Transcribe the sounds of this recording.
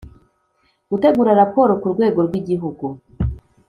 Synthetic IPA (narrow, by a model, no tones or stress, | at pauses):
ɡ̥ute̞ɡuːɾaɾapo̞ːɾo̞kuɾɡwe̞ːɡo̞ɾɡwiɟiɦuɡu